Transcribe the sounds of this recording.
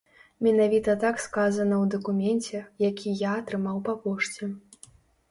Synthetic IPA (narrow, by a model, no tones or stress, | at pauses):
mʲɛnavʲit̪ɐt̪akskazɐnɐwd̪ɐkumʲɛnʲt͡sʲɛjakʲʰijaːt̪ɾɨmawpapɔʂt͡sʲɛ